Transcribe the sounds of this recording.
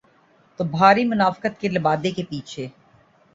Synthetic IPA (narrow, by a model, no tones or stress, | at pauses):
t̪obʱaːɾimʊnaːfkət̪kelɪbaːd̪ekepiːt͡ʃʰeː